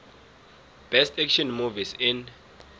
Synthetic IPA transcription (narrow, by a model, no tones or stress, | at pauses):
b̥ɛstʰɛkʃɔnmuvisɪn